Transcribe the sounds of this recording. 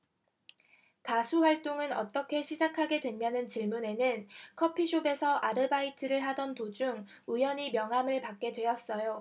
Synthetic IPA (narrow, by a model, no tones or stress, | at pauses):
kasʰuɸwaɭt͈oŋɯnʌ̰t͈ʌkʰe̞ɕʰid͡ʑakʰaɡe̞dwe̞nːanɯnt͡ɕiɭmune̞nɯnkʰʌpʰiɕʰobe̞sʰʌʔaɾɯbaitʰɯɾɯɭɦadʌntod͡ʑuŋ | ujʌɲimjʌŋɦamɯɭpak̚k͈e̞dwe̞jʌs͈ʌjo